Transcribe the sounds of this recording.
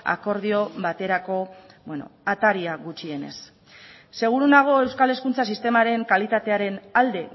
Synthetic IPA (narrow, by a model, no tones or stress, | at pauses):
a̰ko̞ɾðio̞bat̪e̞ɾako̞ | bweno̞̰at̪aɾiaɣut͡ʃie̞ne̞̰sː | e̞ɣ̞uɾunaɣ̞o̞e̞wskale̞skunt͡sasist̪e̞maɾe̞ŋkalit̪at̪e̞aɾe̞nald̪e̞